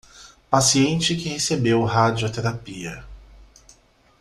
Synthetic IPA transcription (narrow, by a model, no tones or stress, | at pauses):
pasiẽnt͡ʃɪkɪhesebewɦad͡ʒiot̪eɾapiɐ